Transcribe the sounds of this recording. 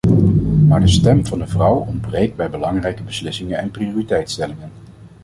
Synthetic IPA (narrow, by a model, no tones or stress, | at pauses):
maːɹdəstɛmv̥ɑndəvrʌwɔnd̚brejk̚bɛjbəlɑŋrɛjkəbəslɪsɪŋənɛnprioːritɛjtstɛlɪŋən